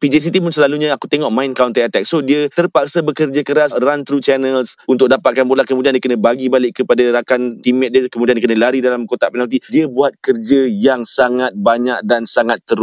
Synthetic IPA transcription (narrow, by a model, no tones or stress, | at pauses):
pid͡ʒes̬it̪imʊnsəlaluɲãaku̥t̪eŋɔʔ̚mãɪnkawnt̪aat̪ɛk̚sodiət̪ərpak̚sabəkərd͡ʒakəɾasrant̪ɾut͡ʃɛnəlsunt̪ʊk̚dapat̪̚kanbolahkəmũdiandiəkənə̃baɡibalɪkkːəpadaɾakant̪imɛt̪̚diəkəmudiandikənə̃laɾidalamkot̪apɛnalt̪̬idiəbuat̪̚kərd͡ʒəjaŋsaŋat̪̚baɲak̚dansaŋat̪ːəɾʊ